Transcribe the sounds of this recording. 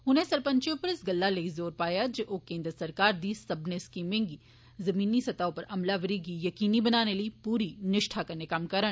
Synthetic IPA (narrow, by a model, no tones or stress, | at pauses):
ʊnɦẽsɐɾpə̃ɲt͡ʃjõpɐɾɪsɡɐlːaleizoːɾpaːjad͡ʒoʔoːkẽːnd̪ɾsɐɾkaːɾd̪iːsɐbneskiːmɪ̃ŋɡi | zɐmiːnisɐt̪aːõpɐɾɐmlaʋəɾiɡijɐkiːnibɐnaːneləipuːɾinɪʃʈʰakɐɾnekamkɐɾə